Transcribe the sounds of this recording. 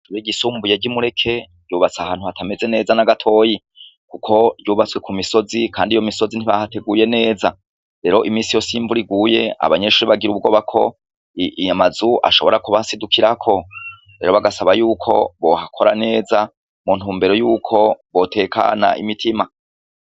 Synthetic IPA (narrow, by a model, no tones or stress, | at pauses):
tuβiɟisuːmbujaɟimuɾe̞kʰe̞ | ɟuːβat͡sahaːnhuhatʰame̞ze̞ne̞ːzanaɡatʰo̞ːji | kukʰo̞ɟuːβat͡swe̞kʰumiso̞zikʰaːndijo̞miso̞zin̥iβahate̞ɡuje̞ne̞ːza | ɾe̞ɾo̞ʔimiːnsijo̞siːɱvuɾiɡuːje̞a̰βaɲe̞ʃuɾiβaɡiɾuβɡo̞ːβakʰo̞̰ | amazuʔa̰ʃo̞βo̞ɾakuβasidukʰiɾakʰo̞ | ɾe̞̰ɾo̞βaɡasaβajuːkʰo̞̰βo̞hakʰo̞ɾane̞ːza | munthuːmbe̞ɾo̞juːkʰo̞βo̞tʰe̞ːkʰa̰na̰ʔḭmitʰima